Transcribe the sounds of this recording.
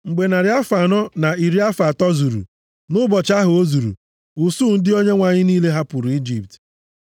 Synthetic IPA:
ŋ͡m̩˨ɡ͡be˨na˨ɾɪ˨˦a˦fa˨nɔ˦na˨i˨ɾi˦a˦fa˨tɔ˦zu˨ɾṵ˨ | nʊ˦bɔ˨t͡ʃa˦ɦʊ˨o˦zu˨ɾṵ˨ | ʊ˨su˦˨n̩˦dɪ˦o˦ɲe˦ŋʷa˨ɲɪ˦niː˦le˦ɦa˦pʊ˨ɾu˨i˦d͡ʒi˨p̚t

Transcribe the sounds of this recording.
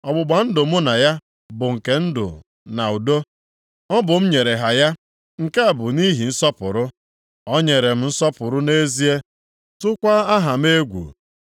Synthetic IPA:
ɔ˨ɡ͡bʊ˨ɡ͡ba˨n̩˦dʊ˨mʊ˦na˨ja˦ | bʊ˨ŋ̩˨ke˨n̩˦dʊ̰˨ | na˨u˨do˦ | ɔ˦bʊ˨m̩˦ɲe˨ɾe˨ɦa˨ja˦ | ŋ̩˨ke˦a˨bʊ˨ni˦ɦi˨n̩˦sɔ˦pʊ̰˨ɾʊ˦ | ɔ˦ɲe˨ɾe˨m̩˦n̩˦sɔ˦pʊ˨ɾʊ˦ne˦zi˦e˦ | tʊ˦kʷa˦a˦ɦa˨m̩˦e˦ɡʷṵ˨

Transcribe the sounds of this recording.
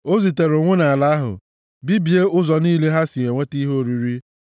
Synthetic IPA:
o˦zi˨te˨ɾʊ˨ŋʷʊ˦na˨a˨la˨˦a˦ɦʊ̰˨ | bi˦bi˨e˦ʊ˦zɔ˨niː˦le˦ɦa˦si˨e˨ŋʷe˦ti˦ɦo˦˨ɾi˨ɾi˦

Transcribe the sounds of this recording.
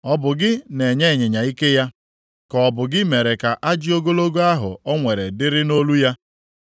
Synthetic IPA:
ɔ˦bʊ˨ɡɪ˦ne˨ɲe˦˨ɲe˨ɲa˨i˦ke˦ja˦ | kɔ˨ɔ˨bʊ˨ɡɪ˦me˨ɾe˨ka˨ʔa˦d͡ʒɪ˦o˦ɡo˦lo˦ɡo˦a˦ɦʊ̰˨ɔ˦ŋʷe˨ɾe˨dɪ˦ɾɪ˦no˦lu˦ja˦

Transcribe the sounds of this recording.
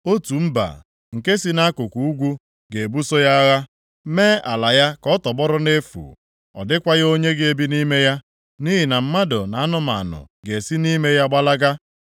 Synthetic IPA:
o˦tu˨m̩˦ba̰˨ | ŋ̩˨ke˦si˦na˦kʊ˨kʷu˨u˦ɡʷu˦ | ɡe˨e˨bu˦so˦ja˦ɣa˦ | meː˦a˨la˨ja˦kɔ˦tɔ˨ɡ͡bɔ˦ɾʊ˦ne˦fṵ˨ | ɔ̰˨dɪ˦kʷa˦ɣo˦ɲe˦ɡe˦bi˦ni˦me˦ja˦ | ni˦ɦi˨na˨m̩˦ma˦dʊ̰˨na˨a˦nʊ˦ma̰˨nʊ̰˨ | ɡe˨si˦ni˦me˦ja˦ɡ͡ba˦la˦ɡa˦

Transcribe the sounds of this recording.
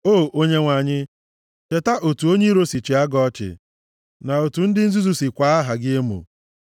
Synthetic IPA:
oː˦˨o˦ɲe˦ŋʷa˨ɲɪ˦ | t͡ʃe˨ta˦ʔo˨tu˨o˦ɲe˦ɾo˦si˨t͡ʃi˨a˦ɡɔ˦t͡ʃɪ̰˨ | na˨o˨tu˨n̩˦dɪ˦n̩˦zu˦zu˦si˨kʷa˨˦a˦ɦa˨ɡɪ˦e˦mṵ˨

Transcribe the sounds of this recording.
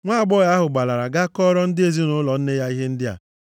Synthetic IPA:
ŋʷa˦a˨ɡ͡bɔ˦ja˦ɦʊ˨ɡ͡ba˨la˨ɾa˨ɡa˦kɔ˦ɾɔ˦n̩˦dɪ˦e˦˨zi˦nʊ˦lɔ˨n̩˦ne˦ja˦i˦ɦe˦n̩˦dɪ˦a̰˨

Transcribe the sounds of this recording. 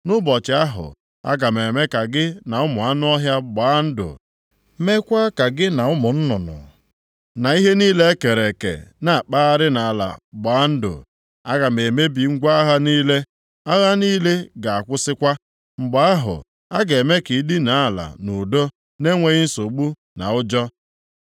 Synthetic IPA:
nʊ˦bɔ˨t͡ʃɪ˨˦a˦ɦʊ̰˨ | a̰˦ɡa˨me˨me˦ka˨ɡɪ˦na˨ʊ˦mʊ˨a˦nʊ˦ɔ˦ɦja˦ɡ͡baː˨˦n̩˦dʊ̰˨ | me˦kʷa˦ka˨ɡɪ˦na˨ʊ˦mʊ˨n̩˦nʊ˨nʊ̰˨ | na˨i˦ɦe˦niː˦le˦ke˨ɾe˨kḛ˨na˨k͡paː˦a˦ɾɪ˦na˨la̰˨ɡ͡ba˨˦n̩˦dʊ̰˨ | a˦ɣa˨m̩e˨me˦bi˨ŋ̩˦ɡʷa˦a˦ɦa˦niː˦le˦ | a˦ɣa˦niː˦le˦ɡa˨a˨kʷʊ˦sɪ˦kʷa˦ | ŋ͡m̩˨ɡ͡ba˨˦a˦ɦʊ̰˨ | a˦ɡe˨me˦ki˨˦di˦na˨˦a˨la̰˨nu˨do˦ | ne˦ŋʷe˨ɣɪ˦n̩˦so˨ɡ͡bu˦ | na̰˨ʊ˦d͡ʒɔ˦

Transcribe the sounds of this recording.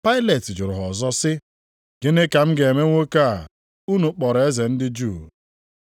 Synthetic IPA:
pa˦ɪ˦le˨tɪ˨d͡ʒʊ˨ɾʊ˨ɦɔ˨zɔ˦sɪ˦ | ɡe˦ne˦ka˨m̩˦ɡe˨me˦ŋʷo˦ka˦a˨ | u˦nu˨k͡pɔ˨ɾe˦ze˨n̩˦dɪ˦d͡ʒu˦˨

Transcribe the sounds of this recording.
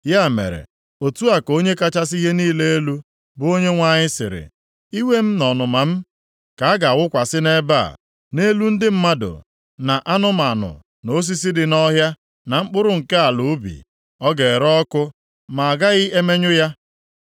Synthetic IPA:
ja˦˨mḛ˨ɾḛ˨ | o˨tu˦a˨ko˦ɲe˦ka˦t͡ʃa˦s̬i˦ɦe˦niː˦le˦e˦lu˦ | bʊ˦o˦ɲe˦ŋʷa˦˨ɲɪ˦sɪ̰˨ɾɪ̰˨ | i˦we˦m̩˦nɔ˨nʊ˨ma˨m̩˦ | ka˨a˦ɡa˨wʊ˦kʷa˨sɪ˦ne˦ba̰˦˨ | ne˦lu˦n̩˦dɪ˦m̩˦ma˦dʊ̰˨ | na˨ʔa˦nʊ˦m˨a˨nʊ̰˨ | no˦s̬i˦s̬i˦dɪ˨nɔ˦ɦja˦ | na˨ŋ͡m̩˦k͡pʊ˦ɾʊ˨ŋ̩˨ke˦a˨lʊ˨˦bḭ˨ | ɔ˦ɡe˨ɾɔ˦kʊ˦ | ma˨a˨ɡa˦ɣɪ˦ʔe˦me˦ɲʊ˦ja˦

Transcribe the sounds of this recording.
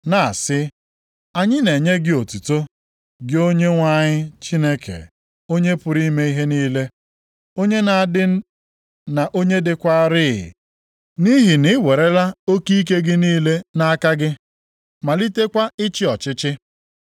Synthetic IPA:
na˨a˨sɪ˦ | a˨ɲɪ˦ne˨ɲe˦ɡɪ˦o˨tu˨to˦ | ɡɪ˦o˦ɲe˦ŋʷa˦ɲɪ˦t͡ʃi˦ne˦kʰḛ˨ | o˦ɲe˦pʊ˨ɾi˦me˦i˦ɦe˦niː˦le˦ | o˦ɲe˦na˨a˨dɪ˦ | na˨ʔo˦ɲe˦dɪ˦kʷa˦ɾɪ̰˦˨ | ni˦ɦi˨nɪ˦we˨ɾe˦la˦o˦ki˦i˦k̬e˦ɡɪ˦niː˦le˦na˦a˦ka˦ɡɪ˦ | ma˨li˦te˦kʷa˦ɪ˦t͡ʃɪ˦ɔ˨t͡ʃɪ˦t͡ʃɪ˦

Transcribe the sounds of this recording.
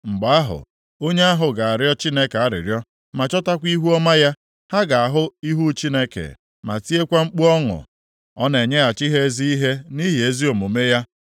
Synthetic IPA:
ŋ͡m̩˨ɡ͡ba˨a˦ɦʊ̰˨ | o˦ɲe˦a˦ɦʊ˨ɡa˨a˨ɾjɔ˦t͡ʃi˦ne˦ke˨a˦ɾɪ̰˨ɾjɔ˦ | ma˨t͡ʃɔ˦ta˦kʷi˦ɦu˦ɔ˦ma˦ja˦ | ha˦ɡa˨a˨ɦʊ˦i˦ɦu˦t͡ʃi˦ne˦kḛ˨ | ma̰˨ti˦e˦kʷa˦ŋ͡m̩˦k͡pu˦ɔ˦ŋʊ̰˨ | ɔ˦ne˨ɲe˦a˨t͡ʃi˦ɦe˦zi˦i˦ɦe˦ni˦ɦi˨e˦zi˦o˨mo˨me˦ja˦

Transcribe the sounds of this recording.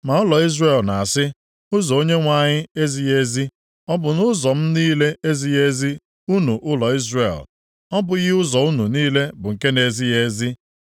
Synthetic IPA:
ma˨ʊ˦lɔ˨i˦zre˨lna˨a˨sɪ˦ | ʊ˦zɔ˨o˦ɲe˦ŋʷa˨ɲɪ˦e˦zi˦je˦zi˦ | ɔ˦bʊ˨nʊ˦zɔ˨m̩˦niː˦le˦e˦zi˦je˦zi˦ | u˦nu˨ʔʊ˦lɔ˨i˦zrḛ˨l | ɔ˦bʊ˦ɣɪ˦ʊ˦zɔ˨u˦nu˨niː˦le˦bʊ˨ŋ̩˨ke˦ne˨zi˦je˦zi˦

